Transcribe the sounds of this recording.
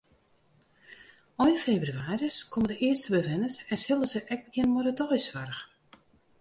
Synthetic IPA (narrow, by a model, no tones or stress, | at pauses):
ɔjnfejbryaːrəskʰomədəʔɪərstəbəʋɛnəsɛnsɪlˠdəzəʔɛk̚bəkɪnmɔdədɔjsʋarəx